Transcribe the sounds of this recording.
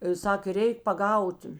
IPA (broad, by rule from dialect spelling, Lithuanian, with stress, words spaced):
ˈsɑːkʲeː ˈrʲɛɪk pɐˈɡɐʊt